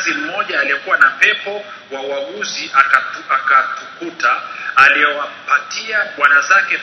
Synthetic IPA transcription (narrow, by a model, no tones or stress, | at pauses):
zim̩mɔʄaːliɛkuwanapɛpɔ | wawaɠuziʔaakatukutaːliɔwam̩patʰiaɓwanazakɛ